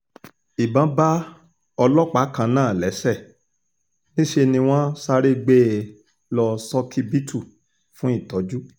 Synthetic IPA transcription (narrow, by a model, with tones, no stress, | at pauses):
i˨bã˨˦ba˦ | ɔ˧lɔ˦k͡pa˨˦kã˧nãː˦˨lɛ˨˦sɛ˦˨ | nĩ˦ʃe˧nĩ˧w̃ɔ̃˦sa˧ɾe˦ɡ͡be˦ | lɔ˧sɔ˦kʰi˦bi˦tʰu˦˨ | fũ˨˦i˦˨tɔ˨˦d͡ʒu˦